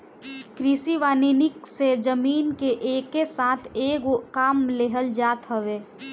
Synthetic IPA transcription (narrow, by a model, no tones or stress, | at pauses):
kɾɪsiʋaːninɪksed͡ʒəmiːnkeʔeːkːesaːt̪ʰeːɡokaːmleːɦəld͡ʒaːt̪ɦəʋeː